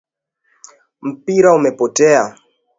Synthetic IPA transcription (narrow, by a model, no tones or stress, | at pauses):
m̩piɾaumɛpɔtɛa